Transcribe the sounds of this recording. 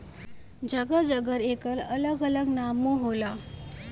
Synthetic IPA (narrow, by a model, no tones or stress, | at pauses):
d͡ʑəɡəd͡zəɡəɾekəɾələɡələɡnamuɦola